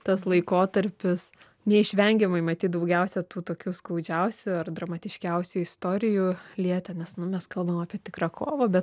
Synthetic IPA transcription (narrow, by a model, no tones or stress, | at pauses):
t̪ɐslˠɐɪkoːt̪ɐɾʲpʲɪs | nʲɛɪʃʲʋʲɛŋʲɡʲɛmɐɪmɐt̪ʲiːt̪d̪ɐʊɡʲɛʊsʲɛt̪uːt̪oːkʲuːskɐʊd͡ʒʲɛʊsʲʊɐrd̪rɐmɐt̪ʲɪʃʲkʲɛʊsʲʊɪst̪oːɾʲɪjulʲiɛt̪ʲɛnʲɛsnʊmʲɛskɐlˠbɐmɑːpʲiɛt̪ʲɪkrɑːkʰoːʋoːbʲɛt̪